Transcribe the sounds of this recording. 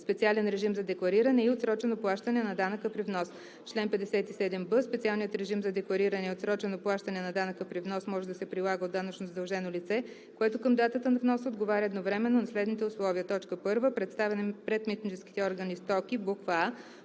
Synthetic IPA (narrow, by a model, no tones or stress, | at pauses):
spɛt̪sialɛnɾɛʒimzɐd̪ɛklˠɐɾiɾənɛiot̪sɾɔt͡ʃɛnoplˠaʃt̪ənɛnɐd̪anəkəpɾivnɔs | t͡ʃlɛnpɛd̪ɛsɛt̪isɛd̪ɛmbəspɛt̪sialˠnijət̪ɾɛʒimzɐd̪ɛklˠɐɾiɾɐnɛiot̪sɾɔt͡ʃɛnoplˠaʃt̪ənɛnɐd̪anəkəpɾivnɔsmɔʒɛd̪ɐsɛpɾilˠaɡəod̪ːanət͡ʃnozəd̪ɐlˠʒɛnolit̪sɛ | koɛt̪okəmd̪at̪ət̪ənɐvnɔsod̪ɡovaɾʲəɛd̪novɾɛmɛnːonɐslɛd̪nit̪ɛʊslˠɔvijət̪ɔt͡ʃkəpɤɾvəpɾɛt̪st̪avɛnɛpɾɛt̪mit̪nit͡ʃɛski̥t̪ɛɔɾɡənist̪ɔkʲibokva